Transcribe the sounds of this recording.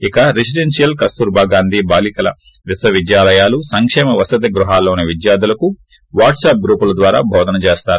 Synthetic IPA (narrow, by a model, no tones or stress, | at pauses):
ikɐɾes̬iɖensijɐlkɐst̪uːɾbʱaːɡaːnd̪ʱiːbaːlikɐlɐ̰ʋisʋɐʋid̪jaːlɐjaːlusɐŋkʂɛːmɐʋɐsɐd̪ɐɡɾuɦaːlːoːneʋid̪jaːɾd̪ulɐku | ʋaːʈsaːp̚ɡɾuːpulɐd̪ʋaːɾa̰ːbʱɔːd̪ɐnɐt͡ʃeːst̪aːɾu